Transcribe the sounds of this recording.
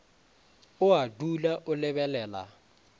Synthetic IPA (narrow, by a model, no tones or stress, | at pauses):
ʊadulaʔʊlɪbɛlɛːla̰